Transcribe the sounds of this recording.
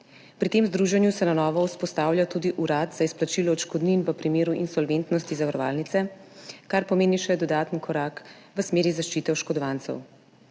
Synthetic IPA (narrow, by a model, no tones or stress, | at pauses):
pɾit̪emzd̪ɾuːʒɛnjusɛnanɔːʋɔwspɔst̪aːwljat̪uːd̪iʔuɾaːd̪z̥aisplat͡ʃilɔːt͡ʃkɔd̪ninʋəpɾimeːɾuʔinsɔlʋent̪nɔst̪izaʋaɾɔʋa̰ːlnit̪sɛkaɾpɔmeːniʃɛd̪ɔd̪aːt̪ənkʰɔɾaːk | ʋəsmeːɾizaʃt͡ʃit̪ɛwʃkɔd̪ɔʋant̪sɛ̰w